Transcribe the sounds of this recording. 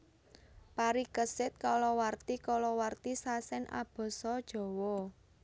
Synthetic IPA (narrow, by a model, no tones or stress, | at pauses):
paɾikəsɪt̪̚kalɔwart̪ikɔlɔwart̪isasɛnʔa̰b̥ɔ̤sɔd̥ʒ̥ɔ̤wɔ